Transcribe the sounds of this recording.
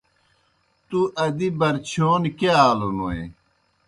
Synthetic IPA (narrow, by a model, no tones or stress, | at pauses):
t̪uʔɐd̪ibɐɾt͡ɕʰoːnkeaːlonoḛ